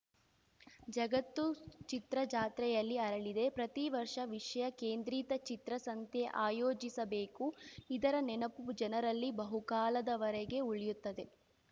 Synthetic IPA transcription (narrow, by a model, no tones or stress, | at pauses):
d͡ʒɐɡɐt̪ːut͡ʃit̪ɾɐd͡ʒaːt̪ɾɛjɐlːiɐɾɐɭid̪e̞pɾɐt̪iʋɐɾʂɐʋiʂɐjɐkeːnd̪ɾiːt̪ɐt͡ʃit̪ɾɐsɐnt̪jeʔaːjoːd͡ʒisɐbe̞ːkuid̪ɐɾɐnɛnɐpud͡ʒɐnɐɾɐlːibɐɦukaːlɐd̪ɐʋɐɾɛɡe̞uɭijut̪ːɐd̪e̞